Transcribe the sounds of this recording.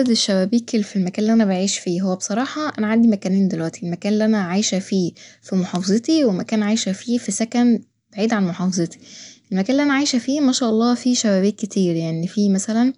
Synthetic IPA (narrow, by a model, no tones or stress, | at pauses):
d̪eʃːæwæːbiːkelfilmækæːnlːiʔænæbaʕiːʃfiːɦowːæbesˤɑɾˤɑːħɑʔænæʕand̪imækæːneːnd̪elwæʔt̪ʰielmækæːnlːiʔænæʕajʃæfiːfimoħɑːfɑzˤet̪iwelmækæːnʕajʃæfiːfisækæn | b̥aʕiːd̪ʕanmoħɑːfɑzˤet̪i̥ʔelmækæːnliʔænæʕajʃæfiːmæʃæːʔɑlˤːɑːfiːʃæwæːbiːkːet̪iːɾjaʕnifiːmæsælæn